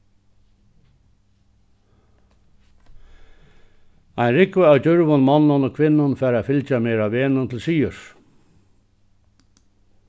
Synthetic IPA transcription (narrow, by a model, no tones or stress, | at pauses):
ajnɾɪkʋʏawt͡ɕʏɾʋʊnmanːʊnɔkʰʋɪnːʊnfɛːɾafɪlt͡ɕamɛːɾaʋeːnʊnt̪ʰɪlsiːʏɾ̥